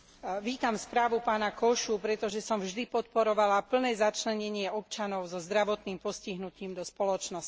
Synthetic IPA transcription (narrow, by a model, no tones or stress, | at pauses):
ʋiːt̪amspɾaːʋupaːnakɔʃupɾɛt̪ɔʒɛsɔmvʒd̪ipɔt̪̚pɔɾɔʋalapl̩nɛːzat͡ʃlɛɲɛɲɪɛɔpt͡ʃanɔʊzɔzd̪ɾaʋɔt̪niːmpɔsciɦnuciːmd̪ɔspɔlɔt͡ʃnɔs